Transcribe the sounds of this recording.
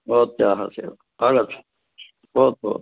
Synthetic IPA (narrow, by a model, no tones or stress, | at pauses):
oːt̪ːjɑːhɑ̰siel | ɑɡɑt̪ | oːt̪o̰